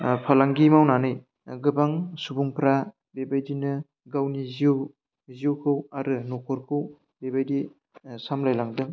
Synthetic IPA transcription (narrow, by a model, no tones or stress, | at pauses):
pʰalaŋɡimawnanɯj | ɡɯbaŋsubuŋpʰɾa | bebajdinɯ | ɡawniz | ziuwkʰɯwaɾɯnɔkʰɔɾkʰɯw | bebajdi | samlajlaŋdɯŋ